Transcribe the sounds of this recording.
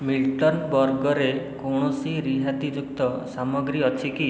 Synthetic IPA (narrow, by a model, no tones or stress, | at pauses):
milʈɔnbɔɾɡɔɾekɔwɳɔsiɾiɦat̪id͡ʒukt̪ɔsamɔɡɾiɔt͡ʃʰiki